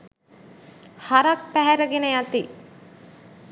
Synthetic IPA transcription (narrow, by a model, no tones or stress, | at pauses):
haɾɐk̚pæɦæɾəɡenejat̪i